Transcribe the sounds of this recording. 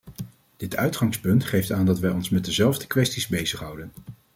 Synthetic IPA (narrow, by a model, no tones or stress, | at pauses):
d̥ɪtœɥtχɑŋspɵntχejftaːndɑtʋɛjɔnsmɛt̚dəzɛlˠvdəkʋɛstizbejzəχɦɑwdən